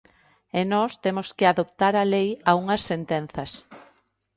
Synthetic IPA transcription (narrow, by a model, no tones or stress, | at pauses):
ɛnɔst̪emoskɪaðop̚t̪aɾɐlejauŋɐsːent̪en̟θɐs